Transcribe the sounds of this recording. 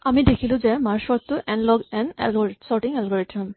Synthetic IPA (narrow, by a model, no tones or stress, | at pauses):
amidekʰilʊ̃zɛmaɹsɔɹt̪ːʊʔɛnlɔɡɛnɛ̰lɡɔɹisɔɹʈiŋɛlɡɔɹiʈʰmɔm